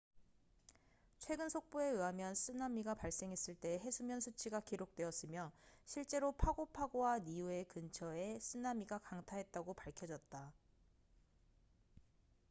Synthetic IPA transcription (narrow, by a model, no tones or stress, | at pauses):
t͡ɕʰwe̞ɡɯnsʰok̚p͈oe̞ɯɦamjʌns͈ɯnamiɡapaɭs͈e̞ŋɦe̞s͈ɯɭt͈e̞ɦe̞sʰumjʌnsʰut͡ɕʰiɡakiɾok̚t͈we̞ʌs͈ɯmjʌɕʰiɭt͡ɕ͈e̞ɾopʰaɡopʰaɡowanijue̞kɯnt͡ɕʰʌe̞s͈ɯnːamiɡakaŋtʰaɦe̞t̚t͈aɡopaɭkʰjʌd͡ʑʌt̚t͈a